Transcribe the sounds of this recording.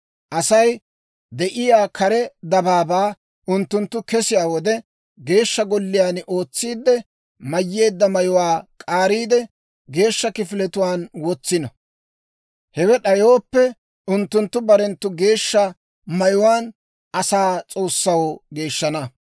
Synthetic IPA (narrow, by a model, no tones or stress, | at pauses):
ʔɐsɐj | d̪ɛʔɪjaːkʰɐɾɛd̪ɐbaːbaː | ʔʊnt̪ːʊnt̪ːʊkɛsɪjaːwɔd̪ɛ | ɡe̞ːʃːɐɡɔlːɪjaːnʔo̞ːt͡sːiːd̪ːɛ | mɐjːe̞ːd̪ːɐmɐjʊwaːkʼaːɾiːd̪ɛ | ɡe̞ːʃːɐkɪfɪlɛt̪ʊwaːnwɔt͡sːɪnɐ | hɛwɛɗɐjo̞ːpːɛ | ʊnt̪ːʊnt̪ːʊbɐɾɛnt̪ːʊɡe̞ːʃːɐ | mɐjʊwaːn | ɐsaːt͡sʼo̞ːsːɐwoɡe̞ːʃːɐnɐ